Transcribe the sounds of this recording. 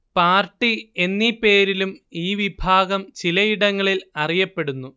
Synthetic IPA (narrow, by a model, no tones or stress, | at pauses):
paːrʈːie̞nːipːe̞ːɾilumiːʋibʱaːɡɐmt͡ɕilɐjiɽɐŋːɐɭilɐrijɐpːe̞ɽunːu